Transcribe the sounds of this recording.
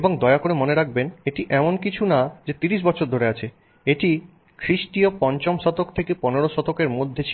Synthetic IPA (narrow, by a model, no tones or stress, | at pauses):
eboŋd̪ɔeakoɾemoneɾak̚beneʈiʔɛmonkit͡ɕʰunad͡ʑet̪iɾiʃ̬bɔt͡ɕʰoɾd̪ʱoɾeat͡ɕʰe | eʈi | kʰɾiʃʈiopɔɲt͡ɕomʃɔt̪okt̪ʰekeponeɾoʃɔt̪okeɾmod̪ʱːet͡ɕʰi